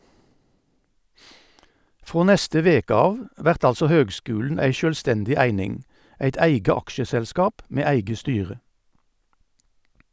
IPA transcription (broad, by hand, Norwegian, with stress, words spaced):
ˈfʁoː ˈnɛstə ˈʋeːkə ˈɑːʋ ˈʋæʁt ˈɑlsɔ ˈhøːɡˌskʉːln̩ ˈæɪ ˌʃøːlˈstɛndɪ ˈæɪnɪŋ ˈæɪt ˈæɪɡə ˈɑkʃəsɛlˌskɑːp ˈmeː ˈæɪɡə ˈstyːʁə